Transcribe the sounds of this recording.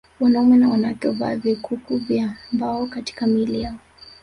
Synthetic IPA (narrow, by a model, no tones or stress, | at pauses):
wanaumɛnawanatɔva̰ːvikukuvjambaɔkati̥kamilijaɔ